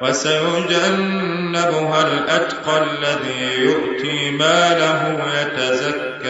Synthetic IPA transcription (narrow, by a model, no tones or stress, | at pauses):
wasajʊd͡ʒanː | ɪbʊɦalʔat̪qɑlːaðiː | jʊʔt̪iːmaːlaɦʊ | jat̪azakːa